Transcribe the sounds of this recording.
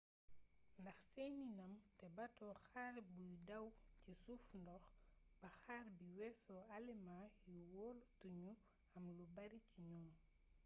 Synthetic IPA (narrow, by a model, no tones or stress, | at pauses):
ndɐxsɛninɐmtɛbɐtɔxaːɾbujdɐwcisufndɔxb̥ɐxaːɾbiwɛsɔalimajuwɔːltuɲu | ɐmlubɐɾiciɲɔː